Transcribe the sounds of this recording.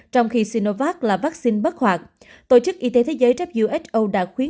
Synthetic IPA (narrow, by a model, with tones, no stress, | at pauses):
t͡ɕɔ˧wŋ͡mxi˧si˧no˧vaː˦˥t̚laː˨˩vaː˦˥k̚si˧nɓə˦˥t̚hwaː˨˩k̚ | t̪o̰˧˩t͡ɕɨ˦˥k̚ʔi˧t̪e˨˦t̪ʰe˨˦zəː˨˦jt͡ɕa˦˥p̚zṵ˧˨wʔɛ˦˥t͡ɕ̚ʔo˧ɗa̰ː˧˥xwi˨˦ə